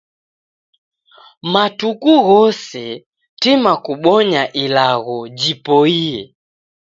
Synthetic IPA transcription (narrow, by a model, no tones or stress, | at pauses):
matukuɣɔsɛ | timakuɓɔɲaʔilaɣɔd͡ʒipɔiɛ